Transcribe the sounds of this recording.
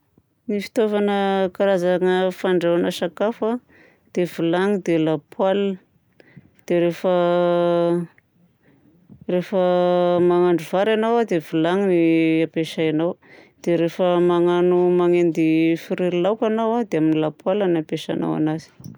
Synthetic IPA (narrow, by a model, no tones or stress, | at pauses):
nifi̥t̪ovanəkaɾazaŋəfaɳɖ͡ʐewanəsakafa | d̪̥evulaŋid̪elapwal | d̪̥eɾefə | refəmaŋaɳɖ͡ʐuvaɾanawad̪evulaŋiniapeʃajanawd̪̥eɾefəmaŋanumaŋend̪ifiɾiɾilawkanawad̪eaminilapwalanapeʃa̰na̰wa̰nazi̥